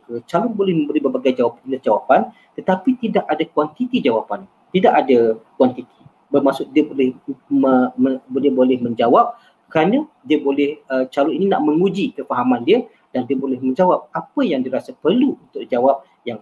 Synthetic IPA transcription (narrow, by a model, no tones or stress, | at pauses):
kət͡ʃalʊnbolɛhmə̃mbəlibərbaɡajd͡ʒawapanəd͡ʒawapan | t̪ət̪apit̪idakadakwant̪it̪id͡ʒawapan | t̪idaʔadakuwant̪it̪i̥ | bərmasʊʔ̚diəbolɛhm | diəbolɛhmə̃ɲd͡ʒawap̚ | kɾanə̃ | diəbolɛhət͡ʃalɔninina̰ʔmə̃ŋud͡ʒikəfaɦamãndiə | d̥andiəbolɛhmə̃ɲd͡ʒawap̚apəjaŋdiəɾasapərluunt̪ʊk̚d͡ʒawap̚ | jaŋ